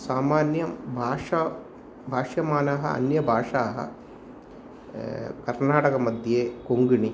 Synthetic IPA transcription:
saːmaːnjɐbʱaːʂɐ | bʱaːʂjɐmaːnaɦɐ̰ɐ̰njɐbʱaːʂaːɦɐ̰ | kɐɾnaːʈɐkɐmɐd̪ʱjeːkoŋɡiɳi

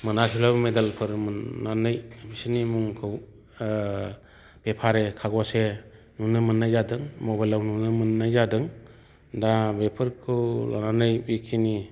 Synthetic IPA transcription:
mɯnakʰilawmedalpʰɯɾmɯnanɯjbisinimuŋkʰɯw | b̥epʰaɾekʰaɡɔse | nunɯmɯnːajzadɯŋmɔbajlawnunɯmɯnːajzadɯŋ | dabepʰɯɾkʰɯwla̰nanɯjbikʰini

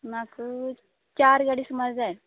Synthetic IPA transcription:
nak | t͡ɕaɾɡaɽismad͡zaj

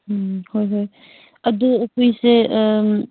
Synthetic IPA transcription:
hojɦoj | əd̪ɔopʰise

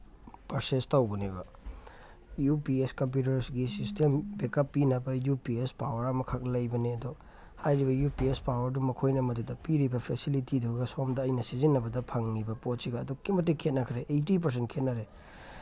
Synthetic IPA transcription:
pɐɾsestɐwbɐnibɐ | jupieskɐmp̬jut̬ɐɾsɡisistembekɐpːinɐbɐjupiespawɐɾɐmɐkʰɐk̚lɐjbɐneɐdɔ | hajɾibɐjupiespawɐɾdumɐkʰojnɐmɐdudɐpiɾibɐpʰesilitiduɡɐsomdɐːjnɐsizinːɐbɐdɐpʰɐŋnibɐpot̚siɡɐːdukimɐtːikʰet̚nɐkʰɾeʔejtip̬ɐɾs̬entkʰet̚nɐɾe

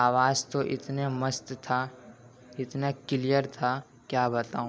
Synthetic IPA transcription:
aːʋaːzt̪oʔɪt̪neməst̪t̪ʰa | ɪt̪nakɪlijəɾt̪ʰaː | kjaːbɐt̪aːũ

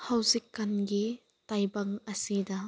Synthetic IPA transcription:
hɐwzikːɐnɡi | t̪ɐjbɐŋʔɐsida

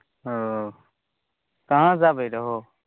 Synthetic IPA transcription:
ɦo | kɐɦãzaːbəɾəɦo

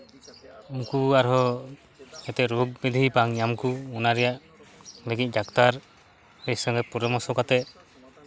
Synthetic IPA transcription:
uŋkuaɾɦɔ | ɛt̪ɛʔɾuɡ̚bid̪ʱipaŋjamkuunaɾɛjaʔ | leɡic̚d͡ʒakt̪aɾ | ɾɛsɔŋɡɛpuɾɛmɔsɔkat̪ɛ

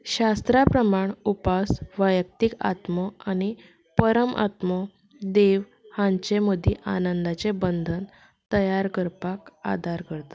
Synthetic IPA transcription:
ɕast̪ɾapɾəmaɳupasʋəjək̚t̪ika̰t̪mɔañi | pəɾəmʔa̰t̪mɔ | d̪eʋ | hãɲt͡ɕeməd̪ʱiʔa̰nənd̪at͡ɕebənd̪ʱən | t̪əjaɾkəɾpaka̰d̪ʱaɾkəɾt̪ḁ

